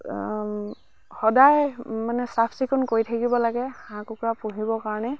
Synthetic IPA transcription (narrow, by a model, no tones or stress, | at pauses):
xɔdajmanɛsapʰsikʰʊnkojtʰakibɔlaɡɛhãkukɹapuɦibɔkaɹɔnɛ